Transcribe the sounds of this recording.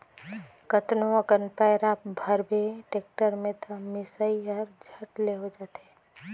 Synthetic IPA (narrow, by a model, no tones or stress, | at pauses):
kət̪noəkənpajɾap̚bʱəɾbʱeʈek̚ʈəɾmẽt̪əmɪsaiəɾd͡ʒʱəʈleɦod͡ʒaːt̪eː